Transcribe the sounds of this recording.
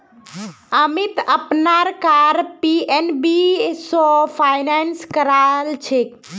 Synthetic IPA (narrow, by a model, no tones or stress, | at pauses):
əmit̪əpnaɾkaɾpienbisɔpʰajnanskəɾalt͡ʃʰek